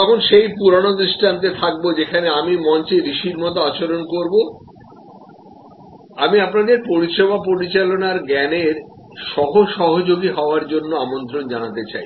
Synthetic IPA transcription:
t̪ɔkʰonʃejpuɾonod̪ɾiʃʈʰant̪̬et̪ʰak̚bod͡ʑekʰaneamimɔɲt͡ɕeɾiʃiɾmɔt̪̬oat͡ɕoɾonkoɾbo | amiapnad̪eɾpoɾiʃebʱapoɾit͡ɕalonaɾɡɛneɾ | ʃɔɦoʃɔɦod͡ʑoɡiɦɔoaɾd͡ʑonːoamont̪ɾond͡ʑanat̪et͡ɕa̰j

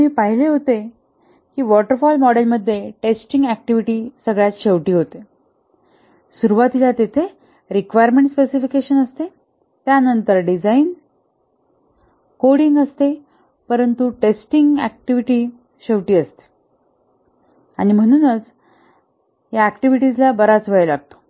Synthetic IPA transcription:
miːpaɦileɦot̪e | kiːʋɔʈəɾfɔlmɔɽelməd̪ʱːjeʈesʈiŋɡæk̚ʈiʋiʈiːsəɡɭjat͡sɕeʋʈiːɦot̪e | suɾuʋat̪ilat̪et̪ʰe | ɾikʋajɾmeɳʈspesifikeɕənəst̪e | t̪janənt̪əɾɖid͡zain | koɽiŋɡəst̪e | pəɾənt̪uʈesʈiŋɡæ̰k̚ʈiʋiʈiː | ɕeʋʈiːəst̪e̥ | añim̤əɽ̃uːnət͡s | ɦjaækʈiʋiʈid͡zlabəɾat͡sʋəɭelaɡ̚t̪o̥

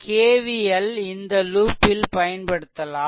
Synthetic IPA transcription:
kʰeːʋɪjɐlɪnd̪ɐluːpːɪlpɐjɐnpɐɽɯt̪ːɐlaː

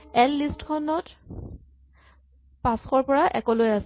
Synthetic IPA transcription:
ɛlːistkʰɔnɔt | pãsxɔɹpɔɹaʔɛ̰kɔlojasɛ

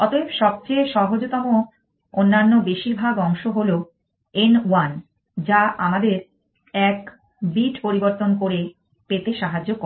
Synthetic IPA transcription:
ɔt̪obʃɔb̚t͡ɕeʃɔɦod͡ʑot̪ɔmo | onːanːobeʃiɾbʱaɡɔŋʃoɦolo | enwan | d͡ʑaʔamad̪eɾ | ɛk | biʈpoɾiboɾt̪onkoɾe | pet̪eʃaɦad͡ʑːok

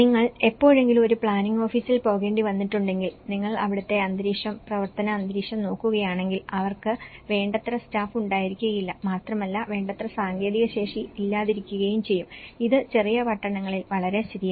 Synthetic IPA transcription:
niŋːɐɭepːo̞ːɻe̞ŋɡilumo̞ɾupɭaːniŋo̞ːfiːsilpo̞ːɣe̞ːɳɖiʋɐnːiʈːuɳɖe̞ŋɡilniŋːɐɭɐ̰ʋiɽɐt̪ːe̞ɐnd̪ɾiːʂɐmprɐʋɐrt̪ɐnɐːnd̪ɾiːʂɐmno̞ːkːuɣɐjaːɳe̞ŋɡilʔɐʋɐrkɨʋe̞ːɳɖɐt̪rɐstaːfuɳɖaːjiɾikʲːuɣɐjilːɐmaːt̪rɐmɐlːɐʋe̞ːɳɖɐt̪rɐsaːŋɡje̞ːðiɣɐɕe̞ːʂiːlːaːðiɾikʲːuɣɐjumt͡ɕe̞jːumiðɨt͡ɕe̞rijɐpɐʈːɐɳɐŋːɐɭilʋɐɭɐɾe̞st̪iðija

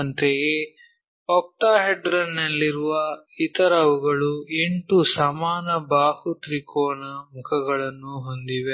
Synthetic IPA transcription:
nt̪eje | ɔk̚ʈaːɦeɖɾɐnːɐlːiɾuʋɐ | it̪ɐɾɐʋuɡɐɭue̞ɳʈusɐmaːnɐbaːhut̪ɾikʰoːnɐmukʰɐɡɐɭɐnːuɦo̞nd̪iʋe

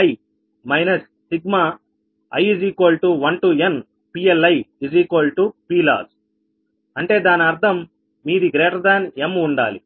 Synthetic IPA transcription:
ɐj | mɐjnɐsːiɡ̚maː | ɐ̰jiziːkoːlʈuʋɐɳʈuen | piːelɐjid͡ʒiːkolʈupiːla̰ːz | ɐɳʈe̞ːd̪aːniɐɾd̪ʰʱɐmː | iːd̪iɡɾeːʈɐd̪aːnemuɳɖa̰ːli

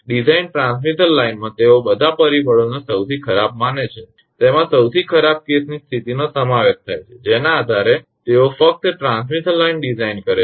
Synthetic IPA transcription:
ɖizainʈɾãnsmit̪əɾlainmãt̪eobəd̪ʱapəɾibəɭonesəwt̪ʰikʰəɾab̚manet͡ʃʰe | t̪emãsəwt̪ʰikʰəɾab̚kesnist̪ʰit̪inosəmaʋeʃ̚t̪ʰajt͡ʃʰed͡ʒenaːd̪ʱaɾe | t̪eofək̚t̪ʈɾãnsmit̪əllainɖizainkəɾe

